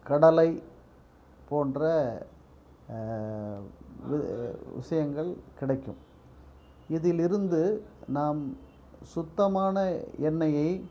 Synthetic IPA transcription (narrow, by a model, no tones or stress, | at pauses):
kɐɽɐlɐɪ | poːndrɐ | ʋɪʋɪ̰ʂɐjɐŋɡɐɭkɪɽɐɪkːɯm | ɪðɪlɪɾɯnd̪ɯnaːm | sʊt̪ːɐmaːnɐɛnːɐjɐɪ